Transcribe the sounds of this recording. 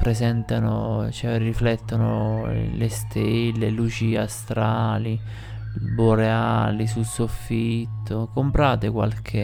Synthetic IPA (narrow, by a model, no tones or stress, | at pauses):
pɾesɛnt̪ano̰t͡ʃɛriflɛt̪ːonolest̪ʰelːelut͡ʃiast̪ɾaːli | boɾeaːlisulsofːit̪ʰːokompɾaːt̪ekwa̰lkʰe